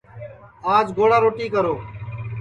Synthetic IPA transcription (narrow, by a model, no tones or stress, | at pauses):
aːd͡ʒɡoːɽaːɾoːʈiːkəɾoː